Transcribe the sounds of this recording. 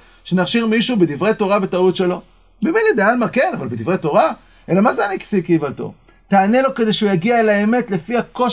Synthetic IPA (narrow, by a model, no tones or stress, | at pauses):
ʃenaχʃiʁmiʃubed̪ivʁet̪o̞ʁabet̪aut̪ʃe̞lo̞ | mimenid̪ealmakelavalbed̪ivʁejt̪o̞ʁa | elamazeaniksikivalt̪o̞̰ | t̪aːne̞lo̞ke̞d̪eʃjaɡiaelaeme̞t̪le̞fiako̞